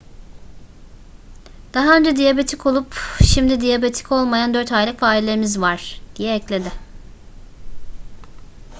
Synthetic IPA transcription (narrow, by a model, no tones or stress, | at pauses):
d̪̥aɦaønd͡ʒɛd̪ijabe̞t̪ʰikʰo̞lˠupʃimd̪id̪ijabe̞t̪ʰi̥cʰo̞lˠmajand̪øɾt̪hajlʲicfaːlʲelʲeɾimizvaɾ̥d̪̥ijɛːclʲe̞d̪ɪ